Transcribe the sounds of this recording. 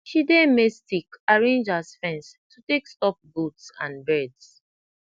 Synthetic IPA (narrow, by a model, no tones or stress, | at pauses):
ʃidemestikaɹẽnd͡ʒasfɛ̃nstutekstɔp̚butsã̰nbɛds